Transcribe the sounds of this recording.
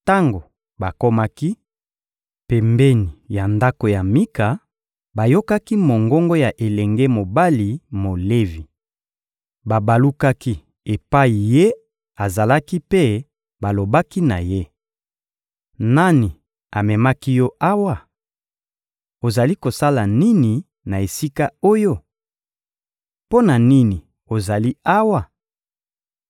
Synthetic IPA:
ta˦ŋɡo˨ | ba˨ko˦ma˦ki˦ | pɛ˨mbɛ˦ni˨ja˨nda˦ko˨ja˨mi˦ka˨ | ba˨jo˦ka˦ki˦mo˨ŋɡɔ˦ŋɡo˦ja˨ʔe˨lɛ˨ŋɡe˦mo˨ba˦li˨mo˨le˦vi˨ | ba˨ba˨lu˦ka˦ki˦ | e˨pa˦i˨je˦ | a˨za˨la˦ki˦pe˦ | ba˨lo˨ba˦ki˦na˨je˦ | na˦ni˨ | a˨mɛ˨ma˦ki˦jɔ˦ʔa˦wa˦ | o˨za˨li˦ko˨sa˦la˨ni˦ni˨ | na˨e˨si˦ka˦o˦jo˦ | po˦na˨ni˦ni˨ | o˨za˨li˦a˦wa˦

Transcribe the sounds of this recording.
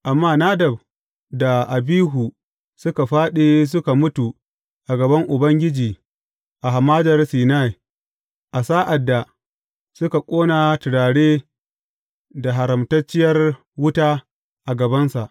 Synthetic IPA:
ʔa˨mːaː˦na˦dɐ˨b | da˨ʔa˨biː˦ɦu˨ | sʊ˦ka˨ɸaː˦ɗe˨s̬ʊ˦ka˨mʊ˦tu˨ | ʔa˨ɡɐ˨bɐ˦ŋʔʊ˨bɐ˦ŋɡʲɪ˦d͡ʒiː˨ | ʔa˨ɦa˨maː˦dɐ˨rsiː˨na˦˨j | ʔa˨saː˦ʔa˨dːa˨ | sʊ˦ka˨kʷʼoː˦na˨tɪ˨ɽaː˨ɽeː˦ | da˨ɦa˨ɾɐ˨mtɐ˦t͡ʃːɪ˦jɐ˦r | wʊ˦taː˦ | ʔa˨ɡɐ˨bɐ˦nsa˨ʔ

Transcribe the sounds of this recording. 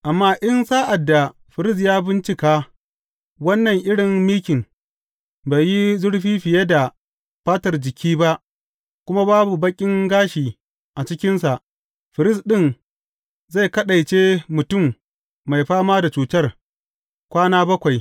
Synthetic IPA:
ʔa˨mːaː˦ʔɪ˦nsaː˦ʔa˨dːa˨ | ɸɪ˨ɾɪ˦s̬jaː˦bɪ˦nt͡ʃɪ˦kaː˦ | wɐ˦nːɐ˨ŋʔɪ˦ɽɪ˨ŋmiː˦kʲɪ˨ŋ | ba˨jji˦zʊ˦ɽɸiː˦ɸɪ˨je˦da˨ | ɸaː˦tɐ˨rd͡ʒɪ˨kʲʰiː˦ba˦ʔ | kʷʊ˦ma˦baː˦bu˨bɐ˦kʲʼɪ˦ŋɡaː˦ʃiː˨ | ʔa˨t͡ʃɪ˦kʲɪ˦nsa˨ʔ | ɸɪ˨ɾɪ˦sɗɪ˦n | za˦˨jkɐ˦ɗɐ˨jt͡ʃeː˦mʊ˨tʊ˦˨mː | a˨jɸaː˦maː˦da˨t͡ʃuː˨tɐ˦r | kʷaː˦naː˦bɐ˦kʷa˨j

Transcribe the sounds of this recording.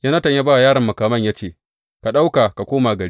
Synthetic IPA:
ja˦nɐ˦tɐ˨ɲjaː˦baː˦wjaː˦ɽɐ˨mːʊ˨kaː˨mɐ˦ɲjaː˦t͡ʃeː˦˨ | ka˨ɗa˦wka˨ka˨kʷoː˦maː˨ɡɐ˨ɽi˦

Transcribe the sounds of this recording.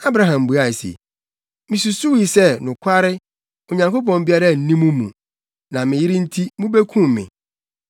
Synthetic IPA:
a˦bɾa˦ɦã˨m˨bu˨a˦˨sḛ˨ | mɪ̃˨su˨su˦wi˨sɛ˦nʊ̃˨kʰa˦ɾɪ˦ | o˨ɲã˨ŋko˦pɔ̃˨m˦bi˦a˦ɾa˦˨n̩˨˦nĩ˦mũ˦mũ˨ | nã˨mɪ̃˨jɪ˦ɾɪ˦n̩˦tʰi˦mũ˦be˦kʰũ˦mːɪ̰̃˨

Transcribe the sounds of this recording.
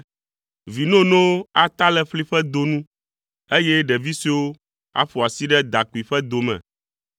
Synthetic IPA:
vi˨nɔ̃˦nɔ̃˦wo˦a˨t̪a˦lɛ˦ɸli˦ɸɛ˦d̪o˨nũ˦ | e˦jɛ˦ɖɛ˨vi˦si˦wo˦ | a̰˦ɸo˨a˨si˦ɖɛ˦d̪a˨ku˨i˨ɸɛ˦d̪o˨mɛ̰̃˨

